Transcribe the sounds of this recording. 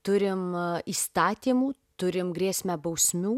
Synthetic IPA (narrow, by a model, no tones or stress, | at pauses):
t̪ʊɾʲɪmiːst̪ɑːt̪ʲiːmuːt̪ʊɾʲɪmɡɾʲiɛsʲmʲɛbɐʊsʲmʲuː